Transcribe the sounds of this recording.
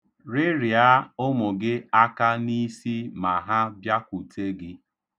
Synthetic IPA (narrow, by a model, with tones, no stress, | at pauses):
ɾɪ˦ɾja˦ʊ˦mʊ˨ɡɪ˦a˦ka˦ni˦si˦ma˨ɦa˦bja˦kʷu˨te˦ɡɪ˦